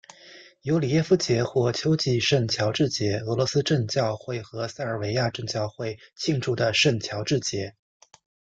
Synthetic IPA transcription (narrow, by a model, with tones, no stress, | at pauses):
jo˧˥ʊli˨˩jɛ˥˩fu˧˥t͡ɕjɛ˧˥xwɔ˥˩t͡ɕʰjo˥ʊt͡ɕi˥˧ʂə˥˩nt͡ɕʰjɑ˧˥ʊʈ͡ʂɻ̩˥˩t͡ɕjɛ˧˥ɤ˧˥lwɔ˧˥sɹ̩˥ʈ͡ʂə˥˧ŋt͡ɕjɑ˥˧ʊxwe˥˩ɪxɤ˧˥sa˥˩ɪə˞˨˩we˧˥ɪja˥˧ʈ͡ʂə˥˧ŋt͡ɕjɑ˥˧ʊxwe˥˧ɪt͡ɕʰi˥˧ŋʈ͡ʂu˥˩d̪ə˩ʂə˥˩nt͡ɕʰjɑ˧˥ʊʈ͡ʂɻ̩˥˩t͡ɕjɛ˧˥